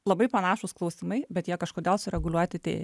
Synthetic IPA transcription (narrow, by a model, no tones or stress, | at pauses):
lˠɐbɐɪpɐnɑːʃʊsklˠɒʊsʲɪmɐɪbʲɛt̪jiɛkɐʃkoːd̪ʲɛlˠsʊɾʲɛɡʊlʲuɔt̪ʲɪt̪ʲḛː